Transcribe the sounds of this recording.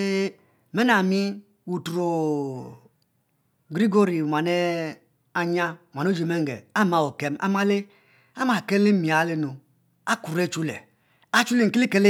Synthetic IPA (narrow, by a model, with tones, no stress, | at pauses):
me˦na˨mi˦ | wu˨tu˨ɾo˨ | ɡɾi˦ɡo˦ɾi˨u˨ma˨ne˦ | a˨ɲa˦˨m˨a˨no˦d͡ʒe˨me˦ŋ˨ɡḛ˨a˦ma˦˨wo˨ke˦ma̰˦ma˦le˦ | a˦ma˨ke˦le˦mi˨a˨˦le˦no˨ | a˦ku˨ɾe˦t͡ʃu˦lḛ˨ | a˦t͡ʃu˦le˦˨ŋ̩˨ki˦li˦ke˦le˦